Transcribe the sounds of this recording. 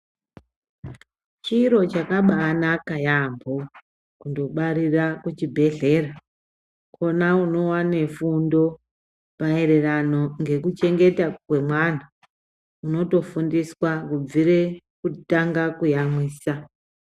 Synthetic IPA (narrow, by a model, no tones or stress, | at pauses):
t͡ʃiɾo̞t͡ʃakaɓaːnakajambʱo | kundo̞ɓaɾirakut͡ʃibʱe̞ɮe̞ːra | kʰo̞nauno̞wane̞fundo̞ | paeɾe̞rano̞ŋɡe̞kut͡ʃe̞ŋɡe̞takwe̞mwan̤a | uno̞to̞fundiswakub͡viɾe | kutaŋɡakujamwiːsa